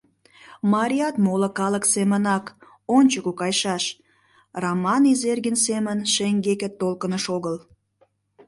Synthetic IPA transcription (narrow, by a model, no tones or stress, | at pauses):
mɑɾʲiɑt̪molə̆kɑləksemənɑk | onʲt͡ɕəkukɑjʃɑʃ | rɑmɑnizerɡənsemənʃeŋɡekə̆t̪ːolkənəʃoɣəl